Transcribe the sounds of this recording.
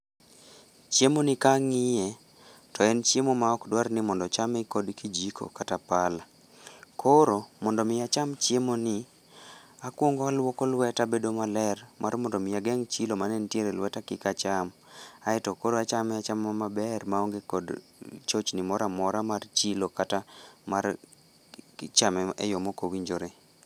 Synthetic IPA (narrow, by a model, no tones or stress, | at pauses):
t͡ʃjemonɪkaŋɪjɛ | tɔɛnt͡ʃjemomaɔkdwarnɪmɔndɔt͡ʃamɛkodkid͡ʒikʰo̰katapala | kʰoɾomɔndɔmɪjat͡ʃamt͡ʃjemonɪ | akwoŋɡɔalwokolwɛtabedomalɛrmarmɔndɔmɪjaɡɛŋt͡ʃilomanɛntjeɾɛlwɛtakɪkat͡ʃamaɛtɔkoɾoat͡ʃamɛat͡ʃamːamabɛrmaoŋɡekɔd | t͡ʃot͡ʃnɪmɔɾamɔɾamart͡ʃilokatamar | t͡ʃamɛɛ̰jɔmokowiɲd͡ʒoɾe